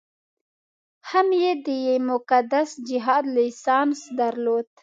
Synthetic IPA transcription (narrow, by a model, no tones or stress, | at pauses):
hamjed̪əjemʊkad̪asd͡ʒɪɦɑːd̪lisɑːnsd̪aɾlod̪